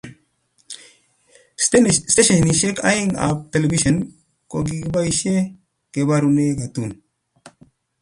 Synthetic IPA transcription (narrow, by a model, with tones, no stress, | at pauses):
ste˦ʃe˨ni˨ʃe˦ka̰˦ji˦ŋa̰˨p̚te˨le˨bi˦ʃo˨n | ko˨ɡi˨ɡba˦i˦ʃe˦ | ke˨ba˦ɾu˦ne˦ɡa˨tu˦˨n